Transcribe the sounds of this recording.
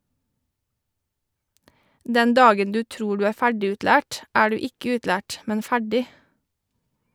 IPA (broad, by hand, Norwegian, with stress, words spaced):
ˈdɛn ˈdɑːɡən ˈdʉː ˈtɾuː ˈɖʉː ˈæː ˈfæɖɪˌʉːtlæːʈ ˈæː ˈɖʉː ˈɪkə ˈʉːtlæːʈ ˈmɛn ˈfæɖɪ